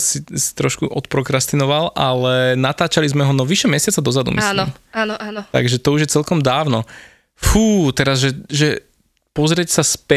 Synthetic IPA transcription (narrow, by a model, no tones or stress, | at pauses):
sisi̥t̪ɾɔʃkuʔɔt̪pɾɔkɾast̪inɔʋalʔalɛnat̪aːt͡ʃalizmɛɦɔnɔʋiʃɛmjɛsɪat͡sad̪ɔzad̪ṵmisnimanːt̪a̰ɡʒɛt̪ɔuʒjɛt͡sɛlkɔmd̪aːʊnɔ | fuːt̪ɛɾazʒɛʒɛ | pɔzɾɪɛcsaspɛ